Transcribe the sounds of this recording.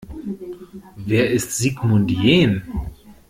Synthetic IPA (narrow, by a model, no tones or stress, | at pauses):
veːɐʔɪstz̥iːɡmʊntjeːn